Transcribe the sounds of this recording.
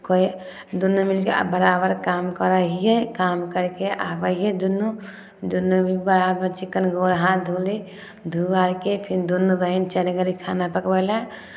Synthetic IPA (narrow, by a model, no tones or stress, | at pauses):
koj | d̪unːumilkḛbəɾaːbəɾkamkəɾaɦijekamkəɾkeʔabəied̪unːu | d̪unːubʱibəɾabəɾt͡ʃikːənɡoɾɦãd̪ʱuli | d̪ʱuaɾkepʰind̪unːuɾəɦint͡ʃəɾɡəɾikʰanapəkbəla